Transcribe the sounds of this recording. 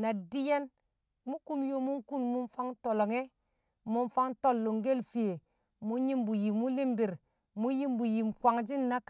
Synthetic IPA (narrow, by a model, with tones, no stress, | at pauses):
na˨di˦je˦n | mu˦ku˦mjo˦mu˦nku˦nmu˦nfa˦ŋto˨lo˨ŋe˦ | mu˦nfa˦ŋto˦lːo˨ŋɡe˦lfi˨je˨ | mu˦ɲi˦mbu˨ji˨mu˦li˦mbi˨ɾ | mu˦ji˦mbu˨ji˨mkwa˨ŋd͡ʒi˦nːa˦k